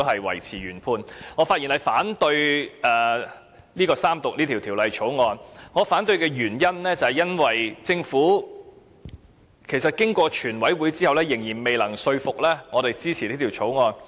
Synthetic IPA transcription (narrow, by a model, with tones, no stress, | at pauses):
hɐ˨jwɐ̰˨˩jt͡sʰiː˨˩ɥyː˨˩npʰuː˧nŋɔː˨˧faː˧t̚i˨˩nhɐ˨˧jfaː˨˥nt̪ɵ˧ɥɛː˨˧ | niː˥kɔː˧saː˥mt̪ʊ˨k̚niː˥t̪ʰi˨˩t̪ʰiː˨˩wlɐ˨˧jt͡ʃʰo˨˥wŋɔː˧nŋɔː˨˧faː˨˥nt̪ɵ˧ɥkɛː˧jyː˨˩njɐ˥nlɛː˥t͡sɐ˨˩hɛ˨jɐ˥nwɐ˨jt͡sɪ˧ŋfuː˨˥ | kʰe˨˩jsɐ˨t̚kɪ˥ŋkʷɔː˧t͡ʃʰyː˨˩nwɐ˨˥jwuː˨˧jt͡siː˥ɐ˨wlɛː˥jɪ˨˩ŋjiː˨˩nme˨jlɐ˨˩ŋsɵ˧ɥfʊ˨k̚lɛː˥ŋɔː˨˧ɾe˨jt͡siː˥t͡sʰiː˨˩liː˥t̪ʰiː˨˩wt͡sʰo˨˥wŋɔː˧n